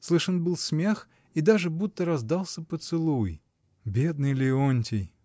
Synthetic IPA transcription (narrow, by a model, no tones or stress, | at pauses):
slˠɨʂənbɨlˠsʲmʲex | id̪aʐɨbut̪ːəɾɐzd̪alˠsʲəpət̪sɨlˠuj | bʲe̞d̪nɨjlʲɪonʲtʲɪj